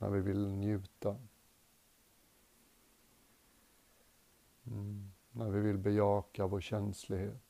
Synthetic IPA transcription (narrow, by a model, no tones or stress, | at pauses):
næ̰ɾvɪvɪlnjʉ̟ːt̪a | næɾvɪvɪlbɛjɑːkavoːɾɕɛnslɪɡheːt̪